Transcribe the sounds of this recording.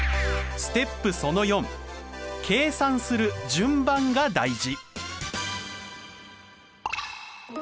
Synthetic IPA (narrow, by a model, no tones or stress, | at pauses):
sɨ̥t̪e̞pːɯ̟so̞no̞jõ̞m | kʰe̞ːsãɰ̃sɨɾɯ̟d͡ʑɨ̃mbãŋɡad̪aiʑi